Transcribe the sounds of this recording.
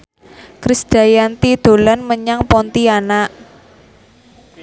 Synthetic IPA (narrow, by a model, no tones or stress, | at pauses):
kɾisd̥a̤jant̪id̪̥o̤lanməɲaŋpɔnt̪ianaʔ